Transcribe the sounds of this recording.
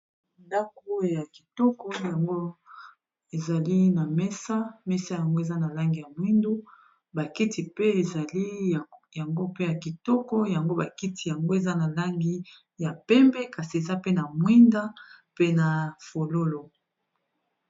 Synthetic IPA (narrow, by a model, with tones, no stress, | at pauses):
nda˦ko˦ja˨ki˨tɔ˦kɔ˦ja˨ŋɡo˦ | e˨za˨li˦na˨mɛ˦sa˦mɛ˦sa˦ja˨ŋɡo˦e˨za˦na˨la˦ŋɡi˨ja˨mwi˦ndu˦ | ba˨ki˦tʰi˨pe˦e˨za˨li˦ja˨ŋɡo˦pe˦ja˨ki˨tɔ˦kɔ˦ja˨ŋɡo˦ba˨ki˦ti˨ja˨ŋɡo˦e˨za˦na˨la˦ŋɡi˦ | ja˨pɛ˦mbɛ˦ka˨si˨e˨za˦pe˦na˨mwi˦nda˦ | pe˦na˨fo˨lo˦lo˨